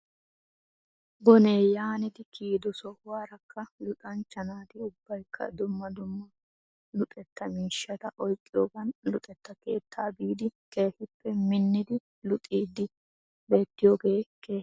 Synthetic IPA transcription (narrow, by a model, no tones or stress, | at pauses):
bɔneːjaːnɪd̪ɪkʰiːd̪ɔsɔwaːɾɐkːɐlʊt̪ʼɐnt͡ʃːɐnaːt̪ɪʊbːɐjkʰːɐ̰d̪ʊmːɐd̪ʊmːɐ | lʊt̪ʼɛt̪ːɐmiːʃːɐt̪ɐʔɔjkʼːɪjoːɡɐnlʊt̪ʼɛt̪ːɐke̞̰ːt̪ʰːaːbiːd̪ɪke̞ːhɪpːɛmɪnːɪd̪ɪ | lʊt̪ʼiːd̪ɪ | be̞ːt̪ːɪjoːɡe̞ːkeː